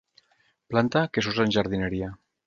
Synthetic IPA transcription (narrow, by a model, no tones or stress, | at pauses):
plant̪akesuzenʲʒaɾðinəɾia